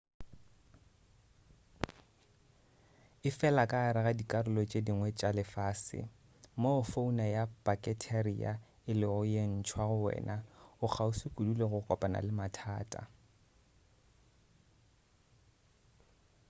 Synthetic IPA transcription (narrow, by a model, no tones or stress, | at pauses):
ɪfɛlakʼaːɾɪɣadikʼarʊlɔt͡ʃʼediŋwɛt͡ʃʼalɪfaːsɪ̰ | mofounajapakʼɛtʰarḭa̰ | ɪlɪʊjen̩t͡ʃʰwaɣʊwɛ̰ːnaʊk͡xʰaʊsɪkʼuduleɣʊkʼɔpʼana̰lɪmatʰaːtʼa̰